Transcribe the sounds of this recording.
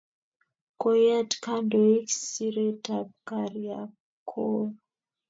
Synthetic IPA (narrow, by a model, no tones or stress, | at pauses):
kojatkandoiksiɾetap̚kaɾia | kʰol